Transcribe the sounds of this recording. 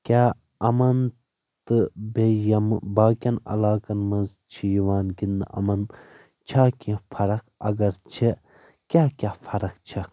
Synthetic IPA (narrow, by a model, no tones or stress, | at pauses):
kʲaː | ɐmɐn | t̪ɨbejɐmbaːkʲɐnɐ̰laːkɐnmɐnz | t͡ʃʰijiʋaːnɡind̪̰ʔɐ̰mɐn | t͡ʃʰaːkʲĩfʰɐɾɐkɐ̰ɡɐɾt͡ʃʰe | kʲaːkʲaːfʰɐɾɐkt͡ʃʰɐ